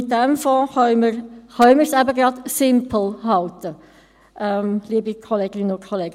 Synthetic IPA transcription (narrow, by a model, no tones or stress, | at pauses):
ɪt̚dɛmfɔ̃ːχœʏməɾχœʏməɾsæbəɡɾɑdsɪmpl̩ˠhɑltə | ʔɛmliəbikʰɔleːɡɪnənʊnkʰɔleːɡ